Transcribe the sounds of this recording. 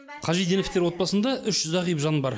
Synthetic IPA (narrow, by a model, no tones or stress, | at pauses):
qʰɑʒijd̪e̞neft̪e̞ɾwo̞t̪̚pɑsənd̪ɑʔʏʃʒʏzɑʁijəpʒɑnbɑɾ